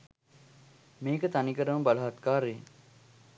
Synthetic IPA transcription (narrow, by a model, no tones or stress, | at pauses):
meːkət̪anikəɾəməbalɐɦat̪kaːɾeː